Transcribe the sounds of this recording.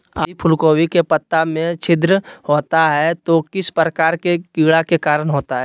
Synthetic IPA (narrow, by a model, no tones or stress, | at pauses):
aipʰʊlkoːwikepət̪ːamẽt͡ʃʰɪd̪ɾəhoːt̪aɦɛt̪okɪspɾəkaːɾkekiːɽakekaːɾəɳɦoːt̪aɦɛː